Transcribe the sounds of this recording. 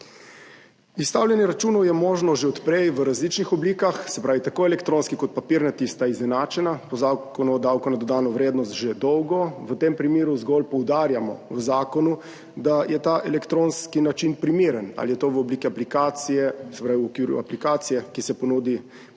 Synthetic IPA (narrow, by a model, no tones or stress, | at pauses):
ist̪awljɛnjɛɾat͡ʃuːnɔwjɛmɔːʒnɔʒeɔt̪pɾɛjʋəɾazliːt͡ʃnixɔbliːkaxsɛpɾaːʋit̪akoɛlɛkt̪ɾõːnskikɔt̪̚papiɾnat̪ist̪aiznɛnat͡ʃɛnapɔzakɔnud̪awkɔnad̪ɔd̪aːnɔʋɾeːd̪nɔst̪ʒed̪ɔwɡɔʋət̪empɾimeːɾuzɡɔlpɔwd̪aːɾjamɔ̰ʋəzaːkɔnu | d̪ajɛt̪aʔɛlɛkt̪ɾonskinat͡ʃinpɾimiːɾəna̰lijɛt̪oʋəɔbliːkiaplikaːt̪sijɛsɛpɾaːʋiɔkʋiːɾṵaplikaːt̪sijɛkisɛpɔnuːd̪i